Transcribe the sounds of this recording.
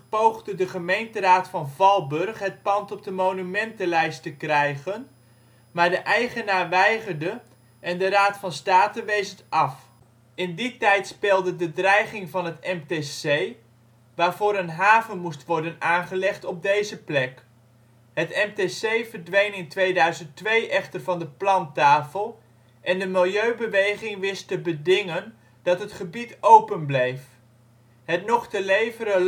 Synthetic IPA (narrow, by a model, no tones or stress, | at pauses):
powχdədəχəmejntəraːtfɑnvɑlˠbɵrχɦət̚pɑntɔb̚dəmownymɛntəlɛjstəkrɛjχən | maːɹdəʔɛjχənaːɹʋɛjχərdə | ʔɛndəɾaːtfɑnstaːtənʋejsəntɑf | ɪnditɛjtspɪːlˠdədədrɛjχɪŋvɑnɦətɛmtesej | ʋaːrvʊːɾənɦaːvənmustʋɔɹdənaːnχəlɛχtɔb̚dejzəplɛk | ɦətɛmtesejvərdʋejnɪntʋejdœɥzənttʋejʔɛχtərvɑndəplɑntaːfəlˠ | ʔɛndəmɪlˠjøɥbəʋejχɪŋʋɪstəbədɪŋən | d̥ɑtɦətχəbitowpənblejf | ɦətnɔχtəlejvəɾə